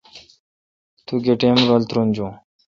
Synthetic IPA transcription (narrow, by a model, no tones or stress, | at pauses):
t̪uɡeʈeːmɾəlt̪ɾund͡ʑõ